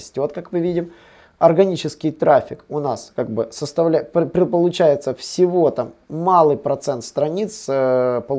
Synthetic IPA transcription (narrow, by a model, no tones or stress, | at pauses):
sʲtʲo̞t̪kakmɨvʲidʲɪm | ɐrɡɐnʲit͡ɕɪskʲɪjt̪ɾafʲɪkʊnaskaɡ̚bɨsəst̪ɐvlʲæppɾʲɪpəlˠʊt͡ɕæjɪt̪səfsʲɪvo̞t̪amːalˠɨjpɾɐt̪sɛnt̪st̪ɾɐnʲit̪spəlˠ